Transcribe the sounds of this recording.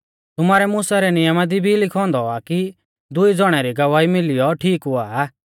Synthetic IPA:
t̪ʊmaːɾɛmuːsaɾɛnɪjəmad̪ibʱilɪkʰɔ̃ːnd̪ɔaki | d̪ʊid͡zɔɽ̃ɛɾiɡɐʋaːimɪlɪjɔʈʰiːkɦʊaː

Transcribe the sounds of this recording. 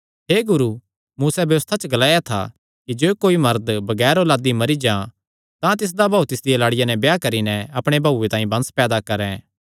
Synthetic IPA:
ɦeːɡʊɾu | muːsɛbjɐʋəst̪ʰat͡ʃəɡɐlaːjat̪ʰa̰ | kid͡ʒoːkoːimɐɾd̪bɐɡɛːɾolaːd̪imɐɾid͡ʒã | t̪ãt̪ɪs̬d̪abʱaːut̪ɪsd̪ɪjɐlaːɽɪjanɛbjakɐɾinɛɐpɽ̃ebʱauet̪ãːĩbɐ̃nspɛːd̪akɐɾɛ̃

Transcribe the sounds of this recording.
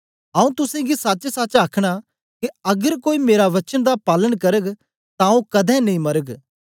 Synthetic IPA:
ɐ̃ũt̪ʊsɛ̃ɡisɐt͡ʃsɐt͡ʃaːkʰɽ̃a | kiɐɡəɾkoːimeːɾaʋɐt͡ʃənd̪apaːləɽ̃kɐɾəɡ | t̪ãũkɐd̪ʱɛ̃nɐĩmɐɾəɡ

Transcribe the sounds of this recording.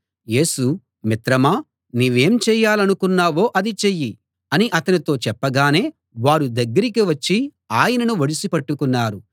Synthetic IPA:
je̞ːsu | mit̪ɾɐmaː | niːʋe̞ːmt͡ʃɛːjaːlɐnukunːaːʋo̞ːʔɐd̪it͡ʃejːi | ɐniʔɐt̪ɐnit̪o̞ːt͡ʃɛpːɐɡaːne̞ː | ʋaːɾud̪ɐɡːɐɾikiʋɐt͡ʃːi | aːjɐnɐnuʋɐɽisipɐʈːukunːaːɾu

